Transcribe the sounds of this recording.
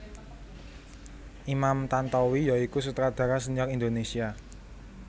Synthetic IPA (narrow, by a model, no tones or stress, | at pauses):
ʔimamt̪ant̪ɔwijaikus̬ut̪əɾad̪̥a̤ɾasəɲakind̪onesia